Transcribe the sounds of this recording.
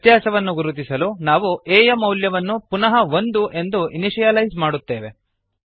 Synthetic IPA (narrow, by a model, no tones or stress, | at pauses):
t̪jaːsɐʋɐnːuɡuɾut̪̬isɐlunaːʋueːjɐmɐwljɐʋɐnːupunɐɦɐʋo̞nd̪uʔe̞nd̪uiniʂijɐlɐjzmaːɽut̪ːe̞ːʋe̞